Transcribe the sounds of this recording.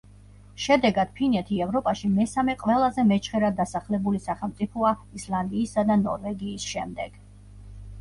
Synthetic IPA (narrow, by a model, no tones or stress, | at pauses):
ʃɛd̪ɛɡad̪̥̚pʰinɛt̪ʰiɛvɾɔpʼaʃimɛsamɛqʼwɛlˠazɛmɛt͡ʃʰχɛɾad̪asaχlɛbulisaχɛlˠmt̪ʼipʰɔaislˠand̪iːsad̪anɔ̰ɾvɛɡiːsʃɛmd̪ɛɡ̥